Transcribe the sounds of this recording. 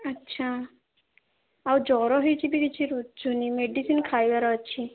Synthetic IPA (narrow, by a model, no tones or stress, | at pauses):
ətːʃʰa | awd͡ʒɔɾɔɦɔjt͡ʃʰibiɡit͡ʃʰiɾut̪d͡ʒunimeɖisinkʰajʋaɾɔətːt͡ʃʰi